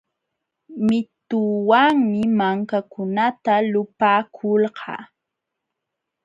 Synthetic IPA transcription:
mɪt̪ʊwaŋmɪmaŋkakʊnat̪alʊpaːkʰʊlɢɑ̰ː

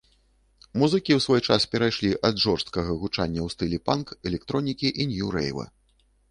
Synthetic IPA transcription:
muzɨkʲiwsvɔjt͡ʂaspʲɛɾajʂlʲiʔɐd̪ʐɔrst̪̚kɐɣɐɣut͡ʂanʲːɐwst̪ɨlʲɛpankɛlʲɛk̚t̪ɾɔnʲikʲiʔinʲjuɾɛ̰jvɐ̰

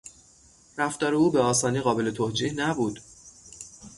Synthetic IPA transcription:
ræft̪ɒːɾeuːbeɒːsɒːniːɣɒːbe̞le̞t̪ʰod͡ʒiːhnæbuːd̪

